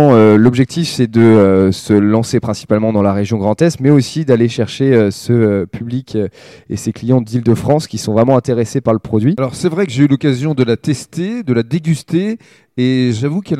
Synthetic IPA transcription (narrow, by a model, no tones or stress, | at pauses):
ølɔbʒɛk̚t̪ʰifsɛd̪əøsəlɑ̃sepχɛ̃si̥palmɑ̃d̪ɑ̃laʁeʒjɔ̃ɡʁɑ̃t̪ɛst̪mɛosid̪aleʃɛʁʃeøsəøpʰyblikʰḛseklijɑ̃d̪ild̪əfχɑ̃skʲisɔ̃vʁɛmɑ̃ɛ̃t̪eʁesepaʁləpχɔd̪ɥialɔʁsɛvʁɛkəʒeylɔkazjɔ̃d̪əlat̪ɛst̪ed̪əlad̪eɡʲyst̪eː | ʒavukɛl